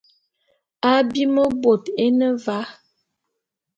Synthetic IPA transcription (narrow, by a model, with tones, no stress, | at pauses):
a˦bi˦mə˦bo˨te˦nə˦va˨˦